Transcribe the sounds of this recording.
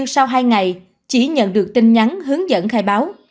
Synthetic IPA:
ɨ˧ŋsa˧wɦaː˧jŋa˨˩j | t͡ɕḭ˧˩ɲə̰˧˨nɗɨ˨˩ək̚t̪i˧nɲa˨˦nɦɨ˨˦əŋzə̰˧˨nxaː˧˩jɓaː˨˦w

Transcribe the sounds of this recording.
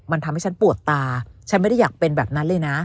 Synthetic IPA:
ma˧nt̪ʰa˧mha˥˩jt͡ɕʰa˦˥npu˨˩ət̪ːaː˧t͡ɕʰa˦˥nm˥˩da˥˩jaː˨˩k̚pe˧nbɛː˨˩p̚na˦˥nlɤː˧jna˦˥

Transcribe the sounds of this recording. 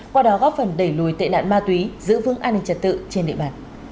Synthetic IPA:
kwaː˧ɗɔ˨˦ɣɔ˦˥p̚fə˨˩nɗə˧˩jlu˧˩jt̪ḛ˧˨na̰ː˧˨nmaː˧t̪wi˨˦zɨ̰˧˥vɨ˨˧˦əŋʔaː˧nːï˧ŋ̟t͡ɕə˨˩t̚t̪ɨ̰˧˨t͡ɕe˧nɗḭ˧˨əɓaː˧˨˩n

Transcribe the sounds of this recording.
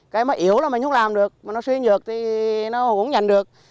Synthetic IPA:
kaː˧˦jmɔː˨˦jʔi˧˩əwla˨˩mï˨˩ŋ̟xə˨˦laː˨˩mɗɨ˨˩ək̚maː˨˩nɔ˨˦swi˧zɨ˨˩ək̚t̪ʰi˨˩nɔ˨˦kʊ̰˧˥ŋ͡mɲa˨˩jŋ̟ɗɨ˨˩ək̚

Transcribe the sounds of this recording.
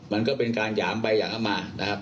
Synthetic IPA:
ma˧nkɔː˦˥˩pe˧nkaː˧njaː˩˦mɓa˧ja̰ː˨˩ŋʔa˨˦˩maː˧na˦˥kʰa˦˥p̚

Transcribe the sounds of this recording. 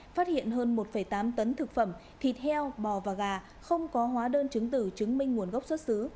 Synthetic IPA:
faː˦˥t̚hḭ˧˨ənɦəː˧nmo˨˩t̚fə˧˩jt̪aː˨˦mt̪ə˨˦nt̪ʰɨ˨˩k̚fə˧˩m | t̪ʰi˨˩t̚hɛ˧wɓɔ˧˩vaː˨˩ɣaː˨˩ | xə˧wŋ͡mkɔ˨˦ɦwaː˨˦ɗəː˧nt͡ɕɨ˨˦ŋt̪ɨ˧˩t͡ɕɨ˨˦ŋmï˧ŋ̟ŋu˧˩ənɣa˦˥wk͡p̚swə˦˥t̚sɨ˨˦

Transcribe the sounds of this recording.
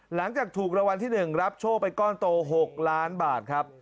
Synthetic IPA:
la˩˦ŋt͡ɕaː˨˩k̚t̪ʰuː˨˩k̚ɾa˧wa˧nt̪ʰiː˥˩nɯ˨˩ŋɾa˦˥p̚t͡ɕʰoː˥˩pa˧jkɔː˥˩nt̪oː˧ɦo˨˩k̚laː˦˥nbaː˨˩t̪̚kʰɾa˦˥p̚

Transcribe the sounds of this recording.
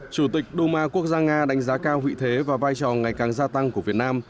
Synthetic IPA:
t͡ɕu˧˩t̪ï˨˩k̟̚ɗo˧maː˧ku˦˥ək̚zaː˧ŋaː˧ɗa˨˦ŋ̟zaː˨˦kaː˧whḭ˧˨t̪ʰe˨˦vaː˨˩vaː˧jt͡ɕɔ˨˩ŋa˨˩jkaː˨˩ŋzaː˧t̪a˧ŋku˧˩əvi˨˩ət̚naː˧m

